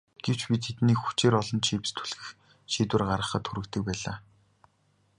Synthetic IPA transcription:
ɡ̥ew̥t͡ɕpʲit̪ʰet̪niːxu̥t͡ɕeːɾɔɮɞ̆nt͡ɕʰip̆st̪ʰu̥ɮɘ̆x | ʃiːt̪wɘ̆rɢaɾə̆χə̆t̪xʰuɾɘ̆kt̪ɘ̆k̚pæːɮaː

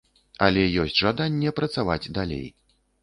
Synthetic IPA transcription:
ɐ̰lʲɛjɔsʲt͡sʲʐad̪anʲːɛpɾɐt̪sava̰d͡zʲd̪alʲḛj

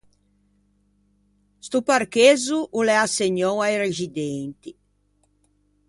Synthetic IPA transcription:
st̪uparkeːzuʔulɛaseɲɔwajrezid̪ent̪i

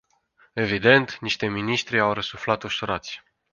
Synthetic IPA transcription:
e̞vid̪e̞nt̪niʃt̪e̞miniʃt̪ɾiawɾəsuflat̪oʃoɾat̪sʲ

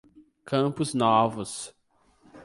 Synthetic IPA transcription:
kʰɐ̃pʊznɔvʊs

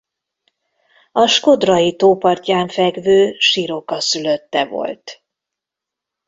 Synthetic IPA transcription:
ɒʃko̞d̪rɒjit̪oːpɒrcaːɱfɛɡvøːʃiɾo̞kɒsyløt̪ːɛvo̞̰lt̪

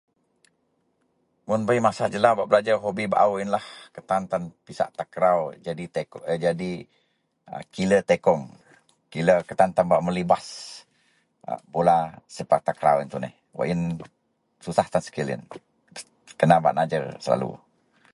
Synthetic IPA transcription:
mʊnbəjmasad͡ʒəlabaʔbəlad͡ʒaɦobibaʔawinlahkət̪ant̪anpisa̰ʔt̪akɾawd͡ʒadit̪ed͡ʒadi | ə̰kilət̪ekɔŋ | kiləkət̪ant̪anbaʔməlibas | bolasəpat̪akɾa̰wint̪unɪ̰h | wə̰ʔin | susaht̪ansə̥kilɪ̰n | kənaba̰ʔnad͡ʒərsəla̰lṵ

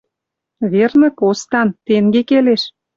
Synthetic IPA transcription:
βernə̆kost̪ɑnt̪eŋɡekeleʃ

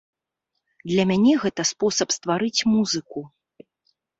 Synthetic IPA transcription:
d̪lʲɐmʲanʲɛɣɛt̪ɐspɔsɐpst̪vaɾɨt͡sʲmuzɨku

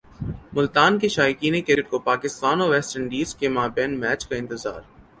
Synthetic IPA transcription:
mʊlt̪aːnkeʃaːjikiːnekɪɾɪʈ̚kopaːkɪst̪aːnɔːʋɛːsʈəɳɖiːzkemaːbɛːnmɛːt͡ʃkaɪ̃nt̪ɪza̰ːɾ

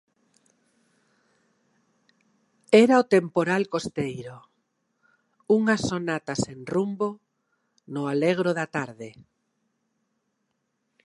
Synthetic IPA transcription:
ɛɾaot̪empoɾalkost̪ejɾo | uŋasonat̪asenrumbo | nʊaleɣɾoðat̪aɾðɪ

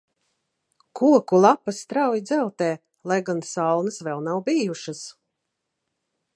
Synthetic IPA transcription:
kuɔkulˠapːast̪ɾawjid̪zɛlˠt̪ɛː | lˠajɡansalˠnɨsvɛlˠnawbijuʃɨs

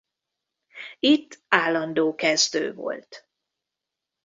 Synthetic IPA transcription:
it̪ːaːlːɒnd̪oːkɛzt̪ø̰ːvo̞̰lt̪

